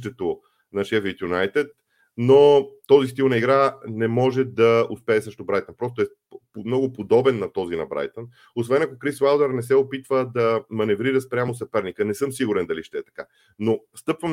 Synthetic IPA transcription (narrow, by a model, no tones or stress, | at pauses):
t̪ɛt̪o | nɐʃɛfit̪junajt̪ɛt̪̚ | not̪ɔzist̪ilˠnɐiɡɾanɛmɔʒɛd̪ɐospɛːsɤʃt̪obɾajt̪ənpɾɔst̪ʊɛ | mnɔɡʊpod̪ɔbɛnːɐt̪ɔzinɐ̰bɾa̰jt̪ən | osvɛnɐkokɾisvawd̪ɛɾnɛs̬ɛopit̪vəd̪ɐmɐnɛvɾiɾəspɾʲamosɐpɛɾnikənɛsɤmsiɡʊɾɛnd̪ɐliʃt̪ɛɛt̪ɐ̥ka | nost̪ɤpvəm